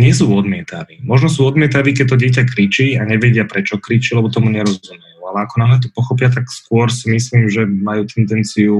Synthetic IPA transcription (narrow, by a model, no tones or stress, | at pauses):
ɲɪɛs̬uːɔd̪mɪɛt̪a̰ʋiːmɔʒnɔs̬uːɔd̪mɪɛt̪aʋiːk̬ɛc̚t̪ɔɟɪɛc̬akɾit͡ʃiaɲɛʋɛɟɪapɾɛt͡ʃɔkɾit͡ʃilɛbɔt̪ɔmuɲɛɾɔzzumɛjuːalɛakɔnaɦlɛt̪ɔ̥pɔxɔpɪat̪̬akskʊɔɾsimisliːmʒɛmajuːt̪ɛnd̪ɛnt͡siu